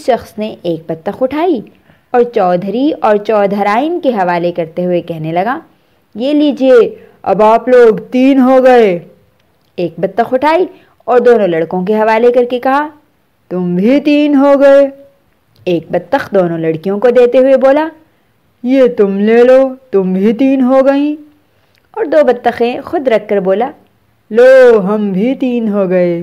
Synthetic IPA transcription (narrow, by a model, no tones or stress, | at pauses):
ʃɐxsneʔeːk̚bɐt̪ːəxʊʈʰaːi | ɔːɾt͡ʃɔːd̪ʱɾiɔːɾt͡ʃɔːd̪ʱəɾaːɪnkeɦɐʋaːlekɐɾt̪eɦʊekɛɦnelɐɡaː | jeːliːd͡ʒie | ɐ̰baːploːɡt̪iːnɦoɡɐe | eːk̚bɐt̪ːəxʊʈʰaːi | ɔːɾd̪oːnõlɐɽkõk̬eɦɐʋaːlekɐɾkekɐɦa | t̪ʊmbʱit̪iːnɦoɡɐeː | eːk̚bɐt̪ːəxd̪oːnõlɐɽkijõkod̪eːt̪eɦʊeboːla | jet̪ʊmleːlot̪ʊmbʱit̪iːnɦoɡɐĩ | ɔːɾd̪oːbɐt̪ːəxẽxʊd̪ɾɐkʰːɐɾboːlaː | loːɦɐmbʱit̪iːnɦoɡɐeː